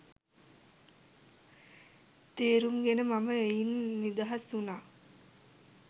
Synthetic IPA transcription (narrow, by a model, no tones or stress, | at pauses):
t̪eːɾuŋɡenəmaməejinːid̪aɦasunaː